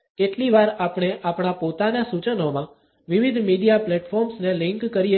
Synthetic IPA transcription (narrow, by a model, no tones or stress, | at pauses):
keʈliʋaɾapɽ̃eʔapɳ̃apot̪anasut͡ʃənomã | ʋiʋid̪ʱmiɖijaplɛʈfʰɔɾmsnelɪ̃ŋkːəɾi